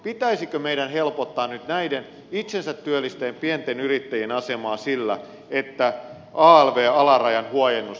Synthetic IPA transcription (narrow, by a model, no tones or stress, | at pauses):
pit̪æisikømeidænhelpot̪ːɑːnnyt̪næiden | it̪sensæt̪ːyølːist̪eːmpient̪enyɾit̪ːæjenɑsemɑːsilːæ̰ | et̪ːæ | ʔɑːelʋeːɑlɑrɑjɑnhuɑjenːus